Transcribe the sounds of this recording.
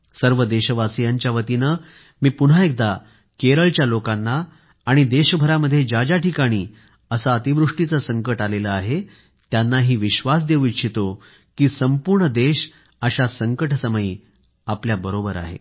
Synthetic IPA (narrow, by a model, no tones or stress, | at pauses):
səɾʋəd̪eɕəʋasijaɲt͡ɕjaʋət̪inə | miːpun̤ɦaek̚d̪a | keɾəɭt͡ɕjalokanːaː | ɽ̃id̪eɕəbʱəɾaməd̪ʱːjed͡ʑad͡ʑaʈikaɽ̃iː | əsaət̪iʋɾuʂʈit͡səsəŋkəʈaleləaɦe | t̪janːaɦiːʋiɕʋas̬d̪eʋikɕʰit̪o | kiːsəmpuɾɳəd̪eɕ | əɕasəŋkəʈsəməjiː | apljabəɾobəɾa̰ɦḛ